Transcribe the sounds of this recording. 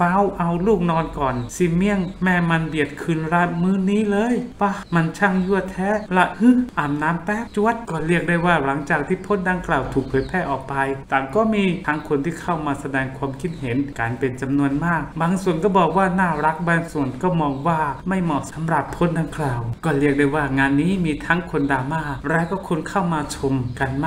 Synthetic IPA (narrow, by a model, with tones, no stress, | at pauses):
fa˦˥wʔa˧wluː˥˩k̚nɔː˧nkɔː˨˩nsi˧˩mi˧˥˩əŋmɛː˧˩ma˧nbi˨˩ət̪̚kʰɯː˧nɾa˦˥mɯː˦˥˨niː˦˥lɤː˧˨jwa˧˩˨ma˧nt͡ɕʰa˥˩ŋju˥˩ət̪ʰɛː˦˥la˧˩ʔɯ˦˧˥ʔaː˨˩mnaː˦˥mpɛː˦˥p̚t͡ɕu˧˥˩ət̪̚kɔː˧˩ɾi˥˩ək̚daː˧˥˩jwaː˧˥˩la˨˦ŋt͡ɕaː˨˩k̚t̪ʰiː˥˩pʰo˧˥ndaː˧ŋklaː˨˩wt̪ʰuː˨˩k̚pʰɤː˨˦jpʰɛː˧˩ʔɔː˨˩k̚pa˧jt̪aː˨˩ŋkɔː˧˥˩miː˧t̪ʰa˦˥ŋkʰo˧nt̪ʰiː˥˩kʰa˥˩wmaː˧sa˧dɛː˧ŋkʰwaː˧mkʰi˦˧˩t̪̚he˩˦nkaː˨npe˧nt͡ɕa˧mnu˧ənmaː˥˩k̚baː˧ŋsu˨˩ənkɔː˥˩bɔː˨˩k̚waː˥˩naː˥˩ɾa˦˥k̚baː˧ŋsu˨˩ənkɔː˥˩mɔː˧ŋwaː˥˩ma˥˩jmɔ˨˩sa˨˦mɾa˨˩pʰːo˥˩ndaː˧ŋklaː˨˩wkɔː˥˩ɾi˥˩ək̚daː˧˩jwaː˥˩ŋaː˧nːiː˦˥miː˧t̪ʰa˦˥ŋkʰo˧ndaː˧maː˧˥˩ɾaː˦˥kɔː˥˩kʰo˧nkʰa˥˩wmaː˧t͡ɕʰo˧mka˧nm˥